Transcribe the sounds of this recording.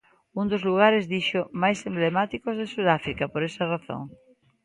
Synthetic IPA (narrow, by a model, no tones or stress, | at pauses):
und̪ozluɣ̞aɾezðiʃomajsemblemat̪ikozðesuðafɾikɐpoɾesɐraθõ̰ŋ